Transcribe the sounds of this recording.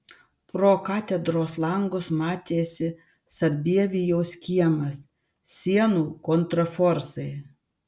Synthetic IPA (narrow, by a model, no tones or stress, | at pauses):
pɾoːkɑːt̪ʲɛd̪ɾoːslˠɐŋɡʊsmɑːt̪ʲeːsʲɪ | sɐɾʲbʲiɛʋʲijoːsʲkʲiɛmɐs | sʲiɛnuːkɔnt̪ɾɐfɔɾsɐɪ